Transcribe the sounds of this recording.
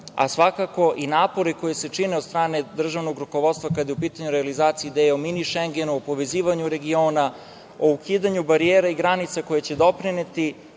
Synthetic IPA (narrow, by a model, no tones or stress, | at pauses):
a̰sʋakako̞ʔinaːpo̞ɾiko̞jese̞t͡ʃineot̪st̪ɾaːne̞d̪r̩ʒaʋnoɡɾuko̞ʋo̞t̪st̪ʋakad̪jeupiːt̪aɲuɾealizaːt̪siiːd̪ejominiʃeŋɡenuopo̞ʋe̞ziːʋaɲuɾe̞ɡioːna | oukiːd̪aɲubaɾijeːɾaiɡɾanit̪sako̞jet͡ɕe̞d̪o̞pɾinet̪i